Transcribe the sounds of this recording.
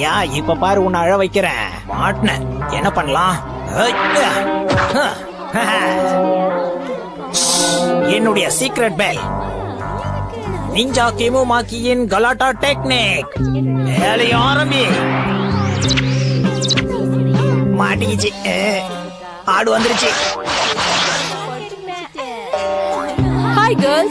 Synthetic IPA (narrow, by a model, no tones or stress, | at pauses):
jaːɪpːɐpːaːɾiʊnːɐɻɐʋɐɪkːɪɾḛ̃ː | paːɾʈnɐɾɛnːɐpɐɳːɐlãː | a | h | ɛnːʊɽɐjɐsiːkɾeʈ̚bel | nɪɲd͡ʒaːkemɯmaːkːijɪnɡɐlaːʈːaʈeknik̚ | elɐjãɾɐmbi | maːʈikit͡ʃːi | aːɽɯʋɐnd̪ɯɾɯt͡ʃːi | hajɡɐ